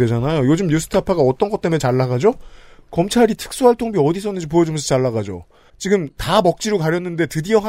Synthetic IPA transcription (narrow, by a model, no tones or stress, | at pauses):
we̞d͡ʑanajojod͡ʑɯmjusʰɯ̥tʰɯapʰaɡaʌt͈ʌnɡʌt̚t͈e̞me̞t͡ɕaɭːaɡad͡ʑokʌmt͡ɕʰaɾitʰɯ̥k̚s͈uɦaɭtʰoŋbiʌdisʰʌnɯnd͡ʑɯmpojʌd͡ʑomsʰʌt͡ɕaɭːaɡad͡ʑo̰ | t͡ɕiɡɯmtamʌk̚t͡ɕ͈iɾokaɾjʌnːɯnde̞tɯdiʌɦ